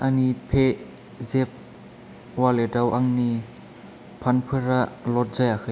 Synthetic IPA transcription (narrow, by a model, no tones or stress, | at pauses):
ʔanipʰe | zɛp̚ | walɛdawʔaŋni | pʰanpʰɯɾaʔlɔt̚zajakʰ